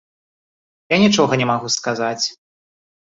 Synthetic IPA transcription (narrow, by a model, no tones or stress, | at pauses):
janʲit͡ʂɔɣɐnʲɛmaɣuskazat͡sʲ